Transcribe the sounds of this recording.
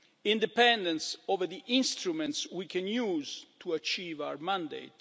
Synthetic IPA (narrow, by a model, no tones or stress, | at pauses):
ĩnd̪ɛpɛ̃nd̪ɛ̃nsovəd̪iʔĩnst̪ɾumɛ̃nt̪swikʰɛ̃njuːzt̪ʰuat͡ʃiːvawəɹmãnd̪ḛt̪